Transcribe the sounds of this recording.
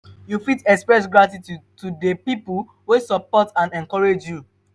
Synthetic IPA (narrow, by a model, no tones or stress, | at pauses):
jufitɛkspɹɛs̬ɡɹatitutudepipul | wesɔpɔtãnɛ̃ŋkɔɹed͡ʒju